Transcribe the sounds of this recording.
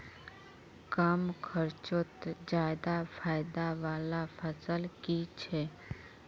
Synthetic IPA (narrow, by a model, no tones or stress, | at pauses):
kəmkʰəɾt͡ʃot̪d͡ʒaːjd̪afʰaːjd̪aʋaːlafʰəsəlkit͡ʃʰe